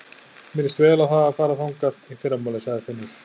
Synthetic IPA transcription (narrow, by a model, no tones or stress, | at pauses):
mɪnɪst̪vɛːlawɦaːvafaːɾaθawŋkaðifɪɾamːaːlasaɣðɪθɪnːɪɾ̥